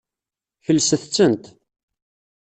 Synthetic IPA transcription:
çəlːsəθt͡sːənt̪

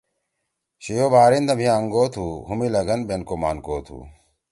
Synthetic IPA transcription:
ɕijoːbaːɾind̪ɐmʱiaːŋɡoːt̪ʰuːhumilɐɡɐnbenkoma̰ːnkoːt̪ʰṵː

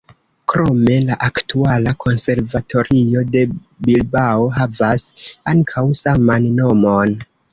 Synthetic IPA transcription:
kɾo̞me̞laʔaktualakʰo̞nse̞ɾvatʰo̞ɾio̞de̞ | bilbao̞ɦavasaŋkʰawsamanːo̞mo̞n

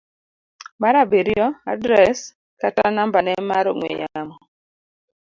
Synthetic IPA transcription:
maɾabeɾiɔadɾɛs | katanambanɛmaɾoŋwḛjamɔ

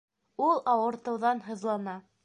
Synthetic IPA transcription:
ulˠɑwɤ̆ɾt̪ɤ̆wðɑnɦɤ̆ðlˠɑnɑ

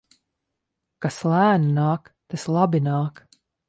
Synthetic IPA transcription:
kaslæːnnɑːk | t̪ɛslˠabinɑːk

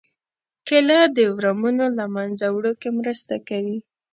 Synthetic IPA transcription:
kɪlad̪əwɾamunolamanzawɽokemɾəst̪akawi

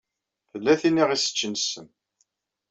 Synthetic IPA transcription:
θəlːæθinːiʁisə̥t͡ʃːənsən

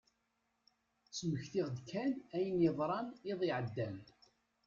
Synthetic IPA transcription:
t͡sːməçθiʁðkːænæjənjəðˤɾˤɑneðˤɪʕəd̪ːæm

